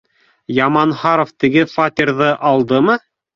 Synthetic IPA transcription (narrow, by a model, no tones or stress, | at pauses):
jɑmɑnhɑɾŏft̪ɘ̆ɡɘfat̪ʲirðɤʔɑlˠd̪ɤmɤ